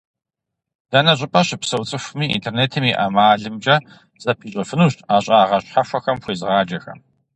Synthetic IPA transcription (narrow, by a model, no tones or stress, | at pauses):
d̥ɐnɐɕʼɪpʼɐɕɪpsɐwt͡sʼɨxʷmiːḭntʰerneːtʰɨmiʔɐmaːɮɨmt͡ʃʼɐ | z̥ɐpʰiːɕʷʼɐfɨnuːɕtʰaːɕʼaːʁɐɕħafʷɐxɐmxʷeːzɨʁaːd͡ʒɐxɐ̰m